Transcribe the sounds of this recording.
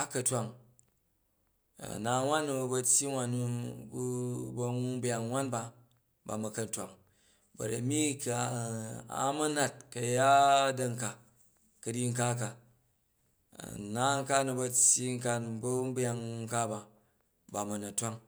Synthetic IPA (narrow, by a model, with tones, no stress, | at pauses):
a˦kɐ˨tʷwa˨ŋ˨ | na˨˧ŋʷ˦a˦nːu˧˨bɐ˧tʲji˦ŋʷa˨nːu˦bu˦bɐ˧ŋu˦m˦bja˨ŋwʷa˦nba˧ | ba̰˨mɐ˨kɐ˦n˨tʷa˨ŋ | bɐ̰˨ɾɐ˨mi˦ka˨ | a̰˨mɐ˦na˦t̚kɐ˨ja˦dɐ˧ŋ̩˨ka˨ | kɐ˨ɾi˦ŋ̩˦ka˦k̬a˨ | na˦ŋ̩˦ka˦nu˧bɐ˧t͡sʲːji˦ŋ̩˦ka˦n˨bɐ˦bja˧ŋ˦ŋ̩˦ka˦ba˨ | ba˨mɐ˨nɐ˨tʷa˦ŋ